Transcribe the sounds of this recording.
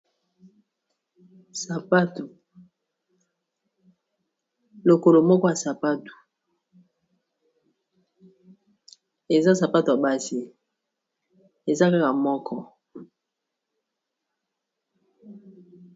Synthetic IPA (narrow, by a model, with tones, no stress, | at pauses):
sa˨pa˦tu˨ | lo˨ko˨lo˨mɔ˦kɔ˦ja˨sa˨pa˦tu̥˨ | e˨za˦sa˨pa˦tu˨a˨ba˦si˨ | e˨za˦ka˦ka˨mɔ˦kʰɔ˦